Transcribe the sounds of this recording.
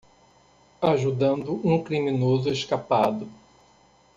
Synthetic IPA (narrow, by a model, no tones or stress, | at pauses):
aʒud̪ɐ̃nd̪ʊʔũkɾimĩnozʊeʃkapad̪ʊ